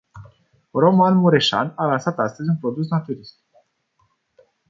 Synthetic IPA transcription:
ro̞manmuɾe̞ʃa̰nalansat̪ast̪əzʲunpɾo̞d̪us̬nat̪uɾist̪i̥k

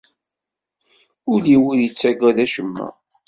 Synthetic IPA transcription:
ʊliwuɾjət͡sːæɡæðæʃəmːæ̰

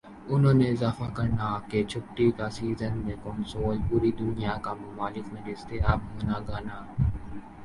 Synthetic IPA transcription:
ʊnɦõːneɪzaːfakɐɾnaket͡ʃʰʊpʈːikasiːzənmẽkɔːnsoːlpuɾid̪ʊnɪjakamʊmaːlɪkmẽɾɪst̪eɦaːb̚ɦʊːnaɡaːnaː

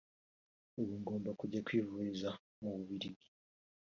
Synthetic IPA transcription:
uβuŋɡo̞ːmbakuɟakwiːvuɾiza | muβuβiɾiɡi̥

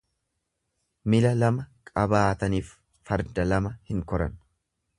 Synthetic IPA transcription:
mɪlɐlɐmɐkʼɐbaːt̪ɐniːfː | ɐɾd̪ɐlɐmɐhɪŋkɔɾɐ̰n

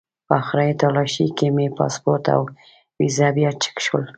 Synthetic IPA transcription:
paxɾajt̪ɑlɑʃikemepɑ̰spoɾt̪a̰w | wizabjɑt͡ʃə̥kʃwəl

